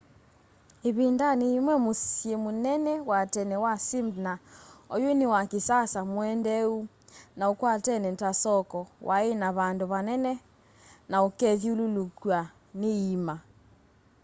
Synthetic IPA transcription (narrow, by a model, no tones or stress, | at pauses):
eβendaneimwɛmosjɛmonɛnɛwatɛnɛwasimdnaɔjonewakesasamoɛndɛu | naokwatɛnɛtasɔkɔwʔaenaβandoβanɛnɛ | naokɛðjololokwa | neima